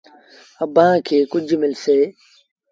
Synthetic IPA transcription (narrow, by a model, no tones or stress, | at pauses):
əbãːkʰeːkʊd͡ʒʱmɪlseː